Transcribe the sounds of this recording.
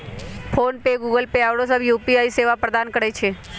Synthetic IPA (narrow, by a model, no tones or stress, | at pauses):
fʰonpeɡuɡəlpeaʋɽosəbjupiaiseʋapɾəd̪ankəɾet͡ʃʰe